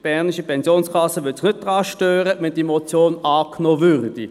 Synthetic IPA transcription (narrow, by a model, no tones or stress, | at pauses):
b̥ɛʁniʃipʰɛnsjoːnskʰɑsəʋøtsɪχnʏt̚d̥ʁɑːʃtøːɾəʋɛnd̥imot͡sjoːnɑːknoːvʏʁd̥i